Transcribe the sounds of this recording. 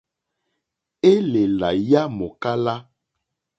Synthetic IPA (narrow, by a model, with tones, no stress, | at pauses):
e˦le˨la˨ja˦mo˨ka˦la˦